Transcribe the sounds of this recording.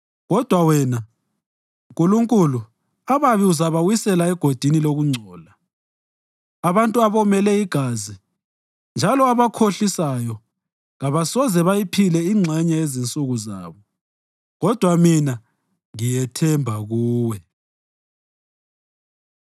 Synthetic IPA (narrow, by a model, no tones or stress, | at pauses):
ɣɔd̥ʱwawɛna | uŋkʼuluŋkʼulu | aβaβiuzaβawisɛlaɛɡ̥ʱod̥ʱiniloɣuŋ͡ǀʱɔːla | aβantʼuaβɔmɛlɛiɡ̥ʱaːzi | nd͡ʒʱalɔaβakʰoɬisajɔ | ɣaβasɔzɛβajipʰilɛiŋ͡ǁʱɛɲaezint͡sʼuɣuza̰ːβɔ | ɣɔd̥ʱwamina | ŋijɛtʰɛmbʱaɣuːwɛ